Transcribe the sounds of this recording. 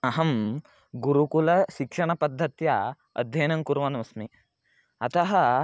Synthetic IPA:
ɐɦɐm | ɡuɾukulɐʃikʂɐɳɐpɐd̪ʱːɐt̪jɐ | ɐ̰d̪ʱjɐjnɐŋkuɾʋɐnɐmɐsmi | ɐt̪ɐɦɐ

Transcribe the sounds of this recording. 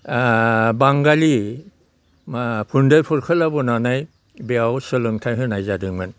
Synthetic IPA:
baŋɡali | pʰundɯlpʰuɾkʰɯlabɔnanaj | beawsɯlɯŋtʰajɦɯnajzadɯŋmɯn

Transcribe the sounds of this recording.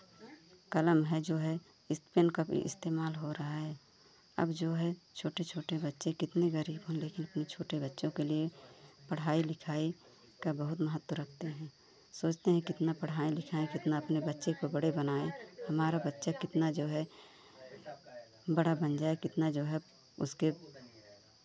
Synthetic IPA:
kɐləmɦɛd͡ʒoːɦɛ | ɪspenkabḭɪ̰st̪eːmaːlɦoɾɐɦaɦɛ | ɐ̰bd͡ʒoːɦɛt͡ʃʰoːʈet͡ʃʰoːʈebɐtːʃẽkɪt̪neɣəɾiːbɦõnleːkɪnɐpnet͡ʃʰoːʈebɐtːʃõkeliepəɽ̤aːilɪkʰaːi | kabəɦʊt̪məɦət̪ːwəɾək̚ʰt̪eɦɛ̃ː | soːt͡ʃt̪eɦɛ̃kɪt̪napɐɽ̤ɦaːilɪkʰaːekɪt̪naɐpnebɐtːʃekobɐɽebənaːẽhɐmaːɾabətːʃakɪt̪nad͡ʒoːɦɛ | bɐɽabɐ̃nd͡ʒaːekɪt̪nad͡ʒoːɦɛ | ʊ̰ske

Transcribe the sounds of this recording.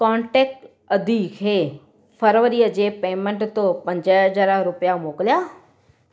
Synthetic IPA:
kɔ̃ːɳʈeːk̚ʈ | ɐd̪ʱikʰeː | fəɾʋəɾiəd͡ʑeːpeːmẽɳʈt̪opɐ̃ɲd͡ʑəd͡ʑəɾaɾʊpjamoːkɪlijaː

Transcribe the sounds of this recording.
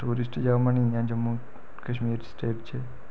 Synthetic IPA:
ʈuɾisʈd͡ʒaʋmanijãd͡ʒəmːu | kəʃmiɾsʈeʈt͡ʃʰe

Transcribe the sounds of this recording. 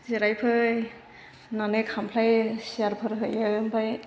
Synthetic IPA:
ziɾajpʰɯ | nanekʰampʰlajsiaɾpʰɯɾɦɯjɯmbaj

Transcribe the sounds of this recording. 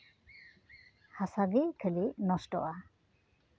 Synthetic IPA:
hasaɡikʰəlinɔsʈɔ̰ʔa

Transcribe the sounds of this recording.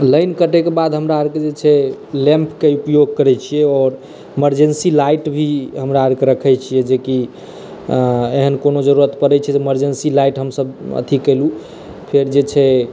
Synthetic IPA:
ləjnkəʈɛkebad̪ʱɦəmɾaəɾked͡ʒet͡ʃʰɛlẽmpʰkeupjoɡ̚kəɾɛt͡ʃʰijɛɔːɾ | eməɾd͡ʒensilajʈbʱiɦəmɾaəɾkeɾəkʰɛt͡ʃʰijɛd͡ʒeki | eɦənkonod͡ʒəɾuɾət̪pəɾɛt͡ʃʰɛt̪eeməɾd͡ʒensilajʈɦəmsəbə̰t̪ʰikəlu | pʰeɾd͡ʒet͡ʃʰɛ

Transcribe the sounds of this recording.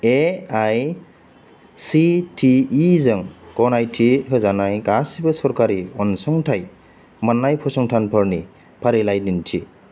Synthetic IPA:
eaj | sitʰiːzɯŋkɔnajtʰiɦɯzanajkasibɯsɔɾkaɾiɔnsɔŋtʰaj | manːajpʰɔsɔŋtʰanpʰɔɹni | pʰaɾilajdintʰḭ

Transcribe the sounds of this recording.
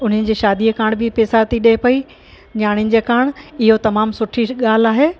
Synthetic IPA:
ʊn̤ənɪ̆d͡ʑeːʃaːd̪iəkaːɽ̃bʱɪpeːsat̪iɗepɐi | ɲaːɽ̃ɪjnɪ̆d͡ʑeːkaːɽ̃ɪɦot̪ɐmaːmsʊʈʰiɠaːl̤aːɦeː

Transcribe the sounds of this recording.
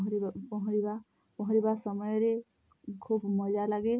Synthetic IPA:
ɦɾibapɔɦɔ̃ɾiba | pɔɦɔ̃ɾibasɔmɔjɾe | kʰubmɔd͡ʒalaɡe

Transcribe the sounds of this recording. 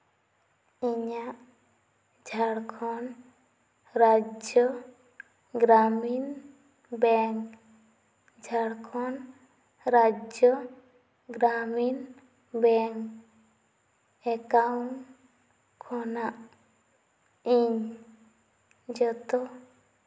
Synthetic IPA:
iɲaʔ | d͡ʒʱaɽkʰɔn | ɾad͡ʒjɔ | ɡɾamin | bɛŋk | d͡ʒʱaɽkʰɔn | ɾad͡ʒjɔ | ɡɾamin | bɛŋk | ɛkawn | kʰɔnaʔ | iɲ | d͡ʒɔt̪ɔ

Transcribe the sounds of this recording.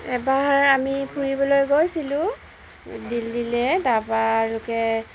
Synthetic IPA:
ɛbaɹamipʰuɹibɔlojɡojsilʊ̃ | dildilɛdabaɹʊkɛ

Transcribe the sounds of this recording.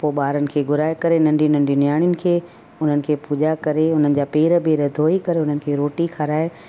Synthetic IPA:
poːɓaːɾənɪ̆kʰeːɡʱʊɾaːekɐɾenɐ̃ɳɖʱinɐ̃ɳɖʱinɪjaːɽ̃jʊnɪ̆kʰeː | ʊn̤ənɪ̆kʰeːpuːʄakɐɾeʊn̤ənɪ̆d͡ʑaːpeːɾəpeːɾəd̪ʱoːikɐɾeʊn̤ənɪ̆kʰeːɾoːʈixʰaɾaːe

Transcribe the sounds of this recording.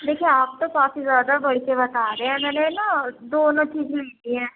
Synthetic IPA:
d̪eːkʰieaːp̚t̪õːkaːfizjaːd̪abəɽikebət̪aːɾeeɛ̃ːmɛ̃ːnenãd̪oːnõːt͡ʃiːd͡ʒlẽnd̪iːɦɛ̃ː

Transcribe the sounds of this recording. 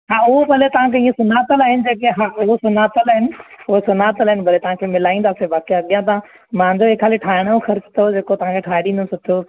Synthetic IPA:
ɦaːʊɦobɐlet̪ɐʋ̤ãkʰeĩːẽsʊnaːt̪əlaːɦɪnɪ̆d͡ʑeːkeɦaʊɦosʊnaːt̪əlaːɦɪnɪ̆ʊɦosʊnaːt̪əlɦɪnɪbɐlet̪ɐʋ̤ãkʰeːmɪlaːĩːn̆d̪aːsebaːkiɐɠijãt̪ã | mãːɲd͡ʑoeːkʰaːliʈʰaːɪɽ̃oxɐɾt͡ɕɪ̥t̪ʰod͡ʑeːkot̪ɐʋ̤ãkʰeːʈʰaːɪɽĩːnd̪osʊt̪ʰijo

